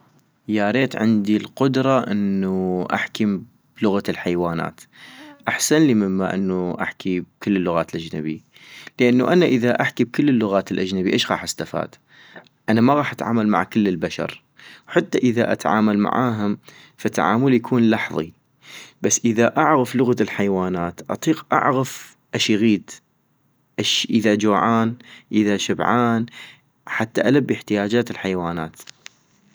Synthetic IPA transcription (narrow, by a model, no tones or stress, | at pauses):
jaːɾeːt̪ʕɪnd̪ilqʊd̪ɾˤɑʔɪnːuʔa̰ħki | b̥lʊɣalħajwaːna̰ːt̪ʔaħsanlimɪmːaʔɪ̰nːuʔa̰ħkib̚kɪlːɪlːʊɣaːt̪lʔad͡ʒna̰bi | ləʔanːuʔanaʔəðaʔaħkib̚kəlːəlːʊɣaːt̪ɪlʔad͡ʒnabiʔḛːʃɣɑ̰ːħast̪afa̰ːd̪̥ | ʔanamaɣɑːħʔat̪ʕa̰ːmalma̰ʕakɪlːɪlbaʃɑ̰ɾˤ | wħat̪ːaʔəðaʔa̰t̪ʕa̰ːmalma̰ʕaːɦʊm | fat̪ːa̰ʕa̰ːmʊljakʰuːnlɑħðˤi | basːʔəðaʔaʕɣaflʊɣat̪ɪlħajwaːnaːt̪ʔɑ̰t̪ˤiːqʔa̰ʕɣaf | ʔaʃɣiːd̪ | ʔaʃʔəðad͡ʒoːʕaːnʔɪðaʃʊbʕaːn | ħat̪ːaʔalabːiəħt̪ɪjaːd͡ʒaːt̪ɪlħajwaːnaːt̪